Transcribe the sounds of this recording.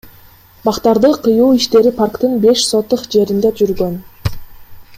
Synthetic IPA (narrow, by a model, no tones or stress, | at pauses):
bɑqt̪ɑɾd̪ɯqʰɯjuːiʃt̪e̞ɾipʰarkt̪ɯnbe̞ʃso̞t̪ːuqd͡ʒe̞ɾind̪ed͡ʒyɾɡø̞n